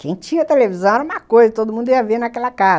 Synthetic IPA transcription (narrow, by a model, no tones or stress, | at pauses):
kẽj̃t͡ʃĩɐt̪elevizɐ̃w̃ɛɾɐũmɐkojzɐt̪od̪ʊmũnd̪ʊiɐvenakɛlɐkaz